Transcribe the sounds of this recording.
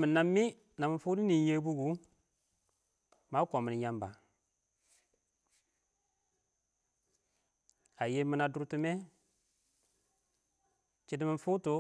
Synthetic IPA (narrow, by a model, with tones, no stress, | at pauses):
mɨ˨nːa˦mːi˦ | na˨mɨ˨ɱ˦fuː˦di˦ni˨n˦je˦bu˦ɡu˨˦ | ma˨˦kɔ˨mi˨n˨ja˦mba˨ | a˨je˦mi˦na˨du˦ɾtɨ˦mɛ˦ | t͡ʃi˦di˦mɨ˦fu˦to˨